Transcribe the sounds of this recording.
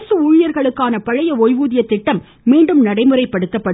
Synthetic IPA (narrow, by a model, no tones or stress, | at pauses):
sɯuːɻɪjɐɾɣɐɭɯkːaːnɐpɐɻɐjɐojʋuːðɪjɐt̪ːɪʈːɐmː | iːɳɖɯmnɐɽɐɪmɯrɐɪpːɐɽɯt̪ːɐpːɐ